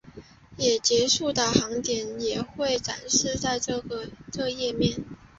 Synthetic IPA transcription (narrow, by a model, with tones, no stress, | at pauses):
jɛ˨˩t͡ɕjɛ˧˥ʂu˥˩d̪ə˩xɑ˧˥ŋt̪jɛ˨˥njɛ˨˩xwe˥˩ɪʈ͡ʂa̰˨˩nʂɻ̩˥˧t͡sa˥˧ɪʈ͡ʂɤ˥˩ɡə˧ʈ͡ʂɤ˥˧jɛ˥˧mjɛ˥˩n